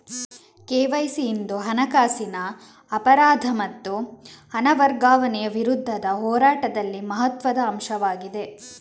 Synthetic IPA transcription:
keːʋɐjsiːnd̪uɦɐnɐkaːsinɐː | pɐɾaːd̪ʱɐmɐt̪ːuhɐnɐʋɐɾɡaːʋɐnɛjɐʋiɾud̪ʱːɐd̪ɐɦɔːɾaːʈɐd̪ɐlːimɐɦɐt̪ʋɐd̪ɐːmʃɐʋaːɡid̪e̞

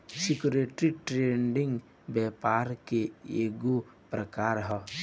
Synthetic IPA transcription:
sikuɾeʈɾiʈɾeɳɖiŋɡ | bɛpaɾkeeɡu | pɾəkaɾɦɔ

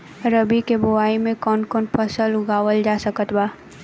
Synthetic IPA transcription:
ɾəbikebʊwaːimẽkɔːnkɔːnpʰəsəlʊɡaːwəld͡ʒasəkət̪baː

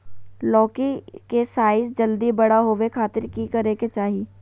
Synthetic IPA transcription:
lɔːkikesaːɪs̬d͡ʒɐld̪ibɐɽaɦoʋekʰaːt̪ɪɾkikɐɾeket͡ʃaːɦi

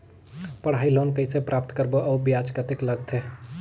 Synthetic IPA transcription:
pəɽ̤ɦaːiloːnkəisepɾap̚t̪kəɾboʔəbijad͡ʒkət̪ekləɡt̪ʰe

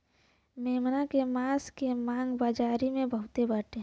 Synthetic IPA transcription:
meːmnakemaːskemãːŋɡbaːd͡ʒaːɾimẽbəɦʊt̪ebaːʈeɦ

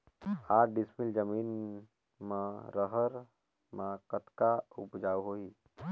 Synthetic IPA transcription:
aːɾɖɪsmild͡ʒəmiːn | mãɾəɦəɾ | mãkət̪kaʊpd͡ʒaːwɦoːi

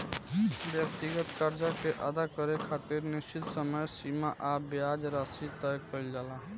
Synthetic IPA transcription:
bjək̚t̪iɡət̪kaɾd͡ʒakeʔad̪akəɾekʰat̪iɾnist͡ʃit̪səməjsimaʔabjad͡ʒɾasit̪əjkəɪld͡ʒalaɦ

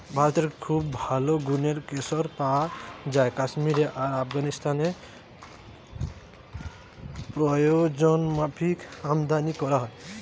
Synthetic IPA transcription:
bʱaɾɔt̪eɾkʰubbʱaloɡuneɾkesɔɾpad͡ʒaekasmiɾeʔaɾapʰɡanist̪ane | pɾɔjod͡ʒɔnmapʰikamd̪anikɔɾaɦɔ

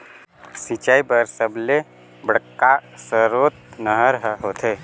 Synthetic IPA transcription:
sit͡ʃaibəɾsəble | bəɽəkːasəɾot̪̚nəɦəɾɦəɦot̪ʰe

